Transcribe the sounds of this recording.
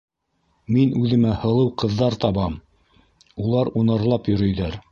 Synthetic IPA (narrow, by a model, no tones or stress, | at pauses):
minʉðɘ̆mæhɤ̆lˠɤwqɤ̆ðːɑɾt̪ɑβɑm | ulˠɑɾunɤɾlˠɑpjɵ̆ɾɵ̆jðæɾ